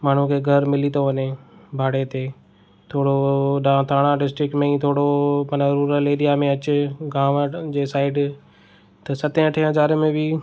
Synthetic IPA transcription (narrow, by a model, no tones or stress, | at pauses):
maːɳ̤ukʰeːɡʱɐɾmɪlit̪oʋɐɲebʱaːɽet̪eː | t̪ʰoːɽoɗãːt̪ʰaːɽ̃ãɖɪsʈɾɪkmẽĩt̪ʰoːɽomənɾuːɾəleːɾijamẽɐt͡ɕʊɡãːʋd͡ʑeːsaːɪɖ | t̪ɐsɐt̪ʰẽəʈʰẽɦɐzaːɾmẽbɪ